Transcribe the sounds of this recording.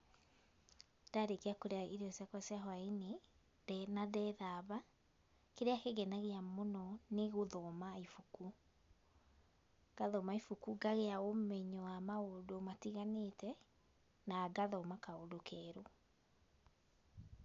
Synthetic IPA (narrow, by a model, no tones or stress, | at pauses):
d̥aɾekeakoɾeaiɾɔsjakwasjaɦwaine | dnadɛðaβa | keɾeakeɣɛnaɣeamonɔneɣoðɔmaifuku | ɡ̥aðɔmaifukuɡaɣeaomɛɲɔwamaodomatiɣanetɛ | naːɡaðɔmakaodokʰɛːɾo